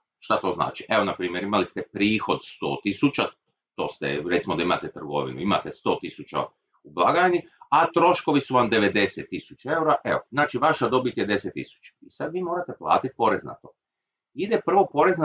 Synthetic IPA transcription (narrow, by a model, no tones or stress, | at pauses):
ʃt̪at̪o̞ːzna̰ːt͡ʃiʔeo̞napɾiːmje̞ɾimalist̪epɾiːxo̞d̪st̪o̞̰ːt̪isut͡ʃa | t̪o̞ːst̪ḛɾet̪simo̞d̪aima̰t̪et̪r̩ɡo̞̰ʋḭnṵima̰t̪est̪o̞ːt̪isut͡ʃa̰ | ublˠaɡaniat̪ɾo̞ʃko̞ʋisuʋamd̪e̞ʋe̞d̪e̞set̪ːisu̥t͡ʃaeuɾaʔeoznaːt͡ʃiʋaʃad̪o̞bit̪jed̪e̞set̪ːḭsu̥t͡ʃḁisad̪ʋiːmoːɾat̪e̞plˠa̰ːt̪it̪̚po̞ɾe̞zna̰t̪o̞̰ | id̪epr̩ʋo̞po̞ɾe̞zn